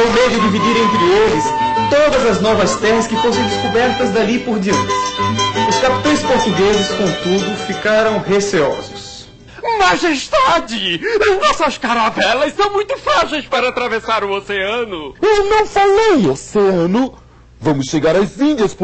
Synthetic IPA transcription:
õwmed̪ʊd̪ivid̪iɾẽnt̪ɾɪelɪst̪od̪ɐzɐznɔvɐst̪ɛɦɐskɪfosẽw̃d̪ɪskubɛɾt̪ɐzd̪alipoɾd̪iɐ̃nt̪ɪ̥ʊskapi̥t̪ɐ̃j̃spoɾt̪uɡezɪskõnt̪ud̪ʊfikaɾɐ̃w̃ɦeseɔ̰zʊs | maʒest̪ad͡ʒɪɐznɔsɐskaɾavɛlɐssɐ̃w̃mũj̃t̪ʊfɾaʒejspaɾɐat̪ɾavesaɾʊoseɐ̃nʊewnɐ̃w̃falejoseɐ̃nʊ | vɐ̃mʊsʃeɡaɾɐzĩd̪iɐsp

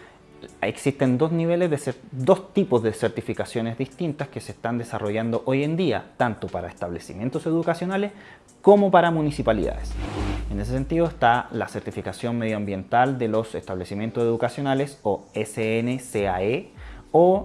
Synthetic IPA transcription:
ḛksist̪e̞nd̪o̞zniβe̞lezðesed̪o̞st̪ipozðeseɾt̪ifikasjo̞nezðist̪int̪askeseːst̪and̪esaroʝand̪oʔoje̞nd̪ia̰t̪ant̪opaɾaest̪aβlesimje̞nt̪o̞se̞ðukasjo̞nales | komopaɾamunisipalḭða̰ðesene̞s̬es̬e̞nt̪iðoest̪alaseɾt̪ifikasjo̞nmeð̞joambje̞nt̪ald̪elo̞se̞st̪aβlesimje̞nt̪oseðukasjo̞nalesoeseeneseaeo

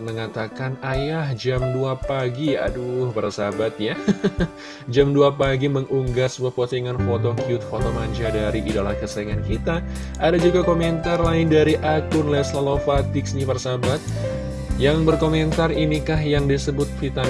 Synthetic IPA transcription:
məŋat̪akanajahd͡ʒamduapaɡija̰duhpərsabat̪̚ja | d͡ʒamduapaɡiməŋʔuŋɡasbəpot̪iŋanfot̪okjʊt̪̚fot̪omaɲd͡ʒadaɾiʔidala̰hkəsaiŋankit̪a | adad͡ʒuɡakomɛnt̪arlaɪndaɾiʔakʊnlɛslalofat̪ɪksɲipərsabat̪̚ | jaŋbərkoment̪arinikaɦjaŋdisəbʊt̪̚fit̪a

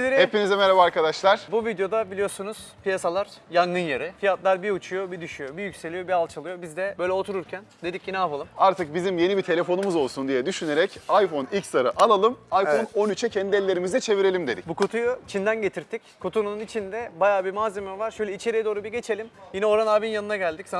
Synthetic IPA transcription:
eɾihepinizɛmeɾabaaɾkad̪aʃlˠaɾ̥buvid̪jo̞d̪abilʲijo̞ɾsunuz̥pijasalˠaɾ̥jaŋɡɯnjaɾɯfijat̪lˠaɾbiut͡ʃʰujo̞bid̪yʃyjo̞bijycʲse̞lʲijo̞bialˠt͡ʃʰalˠɯjo̞bizd̪ɛbø̞jlʲɛo̞t̪ʰuɾuɾcʰænd̪e̞d̪icjinɛapʰalˠɯmaɾt̪ʰɯk̚bizimje̞nibit̪ʰe̞lʲe̞fo̞numuzo̞lˠsund̪ijɛd̪yʃyne̞ɾɛcajfo̞nikst̪aɾaʔalˠalˠɯmajfo̞no̞nyt͡ʃʰɛcʰɛnd̪iɛlʲːe̞ɾimizd̪ɛt͡ʃʰe̞viɾe̞lʲimd̪e̞d̪icbukʰot̪ʰujut͡ʃʰind̪ænɟe̞t̪ʰiɾt̪ʰickʰot̪ʰunununit͡ʃʰind̪ɛbajaːbimaːzemɛvaɾʃøjlʲɛit͡ʃʰe̞ɾijɛd̪o̞ːɾubiɟe̞t͡ʃʰe̞lʲimjinɛo̞ɾanaːbinjanɯnaɟælʲd̪icsa

